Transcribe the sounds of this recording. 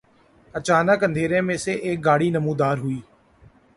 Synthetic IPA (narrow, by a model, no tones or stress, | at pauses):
ət͡ʃaːnəkɦə̃nd̪ʱeːɾẽːmẽːseʔeːk̚ɡaːɽiːnəmũːd̪aːɾɦʊiː